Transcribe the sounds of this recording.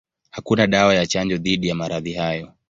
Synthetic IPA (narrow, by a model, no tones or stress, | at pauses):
hakunaɗawajat͡ʃaɲd͡ʒɔðiɗijamaɾaðihajɔ